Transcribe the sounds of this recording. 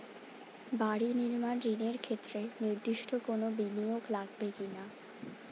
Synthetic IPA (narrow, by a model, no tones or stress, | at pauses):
baɽiniɾmanɾineɾkʰet̪ːɾeniɾd̪iʃʈʰokonobinijoɡlaɡbekina